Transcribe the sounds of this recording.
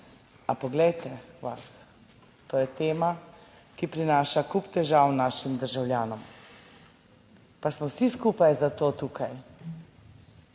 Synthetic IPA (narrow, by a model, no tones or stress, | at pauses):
apɔɡlɛjt̪ɛʋas | t̪oːjɛt̪eːma | kipɾinaːʃakupt̪ɛʒaːwnaːʃimd̪əɾʒawlʲjaːnɔm | pasmɔwsiskuːpajzat̪oːt̪uːkʰaj